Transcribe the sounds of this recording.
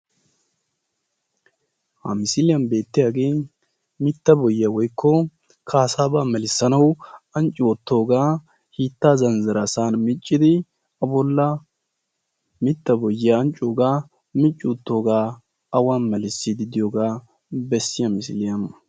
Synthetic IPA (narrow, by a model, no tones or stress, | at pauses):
hɐ̰mɪsɪlɪjɐnbe̞ːt̪ːɪjaːɡeː | mɪt̪ːɐbɔjɪawɔjkʰːɔ | kʰaːsaːbaːmɛlɪsːɐnɐwɐnt͡ʃʼːɪwɔt̪ːo̞ːɡaː | hiːt̪ːaːzɐnzɐɾɐsaːnmɪt͡ʃʼːɪd̪ɪ | ɐbɔlːɐ | mɪt̪ːɐbɔjːjaːnt͡ʃʼːoːɡaː | mɪt͡ʃʼːɪɔt̪ːo̞ːɡaː | ɐwaːnmɛlɪsːɪd̪ɪd̪ɪjoɡaː | bɛsːɪjɐmɪsɪlɪjɐn